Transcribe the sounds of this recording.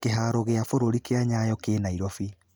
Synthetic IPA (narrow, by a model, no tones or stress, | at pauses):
keɦaːɾoɣeafoɾoɾikeaɲajɔkeːnaiɾɔfi